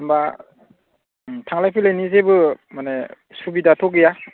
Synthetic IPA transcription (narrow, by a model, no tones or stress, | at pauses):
mba | tʰaŋlajpʰilajnizebɯmane | subidatʰɔkija